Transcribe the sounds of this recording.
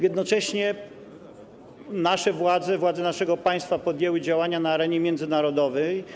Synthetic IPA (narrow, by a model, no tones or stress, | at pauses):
jɛd̪nɔt͡ʂɛɕɲɛ | naʂɛvwad̪zɛvwad̪zɛnaʂɛɡɔpaj̃st̪fapɔd̪ʲjɛwɘd͡ʑawaɲanaːɾɛɲɛmʲjɛnd̪zɘnaɾɔd̪ɔvɛj